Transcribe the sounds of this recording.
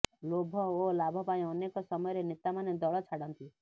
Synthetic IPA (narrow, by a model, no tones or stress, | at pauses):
lobʱɔolabʱɔpaĩɔnekɔsɔmɔjɔɾenet̪amaned̪ɔɭɔt͡ʃʰaɽɔnt̪i